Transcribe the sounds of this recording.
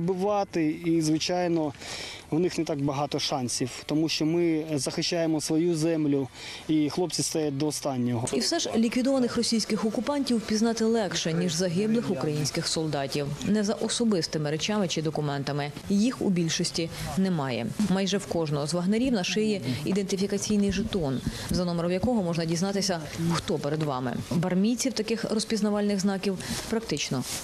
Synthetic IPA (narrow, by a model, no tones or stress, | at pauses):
bɪʋɑt̪ɪizʋɪt͡ʃɑjnɔwnɪxnɛt̪ɑɡbɐɦɑt̪ɔʃɑnʲsʲiwt̪ɔmuʃt͡ʃɔmɪzɐxɪʃʲt͡ʃːajemɔsʋɔjuzɛmlʲʊ | ixlˠɔp̚t͡sʲist̪ajɛd̪ɔːst̪ɑnʲːɔɦɔiwsɛʒlʲikʋʲid̪ɔʋɐnɪxrɔsʲijsʲkɪxɔkʊpɑnʲtʲiwpʲiznɑt̪ɪlˠɛkʃɛnʲiʒzɐɦɪblˠɪxʊkɾɐjinʲsʲkɪxsɔlˠd̪ɑtʲiwnɛzɐʔɔsɔbɪst̪ɪmɪɾet͡ʃɑmɪt͡ʃɪd̪ɔkʊmɛnt̪ɐmɪ | jixṵbʲilʲʃɔsʲtʲinɛmɑjɛ̰mɑjʒɛwkɔʒnɔɔzʋɐɦneɾʲiwnɐʃɪjɛḭd̪ent̪ɪfʲikɐt͡sʲijnɪjʒɪt̪ɔn | zɐnɔmɔɾɔwjɐkɔɦɔmɔʒnɐdʲiznɑt̪ɪsʲɐ | xt̪ɔpeɾed̪ʋɑ̰mɪ̰bɐrmʲit͡sʲiwt̪ɐkɪxrɔspʲiznɐʋɑlʲnɪɣznɑkʲiwpɾɐk̚t̪ɪt͡ʃnɔ